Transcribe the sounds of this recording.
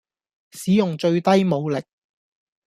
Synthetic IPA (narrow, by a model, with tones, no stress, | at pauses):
siː˨˥jʊ˨ŋt͡ʃɵ˧ɥt̪ɐ˥jmo˨˧wlɪ˨k̚